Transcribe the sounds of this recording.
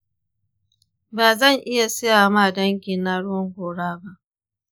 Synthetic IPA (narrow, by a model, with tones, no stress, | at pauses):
baː˨zɐ˦˨ŋʔɪ˦ja˨sɪ˦jaː˨ma˦˨dɐ˦ŋkʲi˨nːa˦ɽʊ˦wɔ˦ŋkʷoː˨ɽaː˦ba˦ʔ